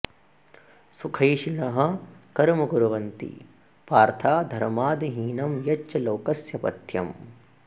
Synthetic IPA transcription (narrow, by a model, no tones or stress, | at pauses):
sukʰɐjʃiɳɐɦɐ̆kɐɾmɐɡuɾɐʋɐnt̪ḭ | paːɾt̪ʰaːd̪ʱɐɾmaːd̪iɦiːnɐmjɐt͡ʃːɐloːkɐsjɐpɐ̰t̪jɐ̰m